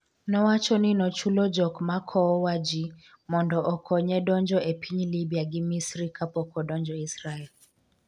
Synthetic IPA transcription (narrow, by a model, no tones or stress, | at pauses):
nɔwat͡ʃɔninɔt͡ʃulɔd͡ʒɔkmakʰɔwad͡ʒi | mɔndɔʔɔkʰɔɲɛɗɔnd͡ʒɔʔɛpʰiɲilibiaɡimisɾikʰapɔkɔɗɔɲd͡ʒɔisɾaɛl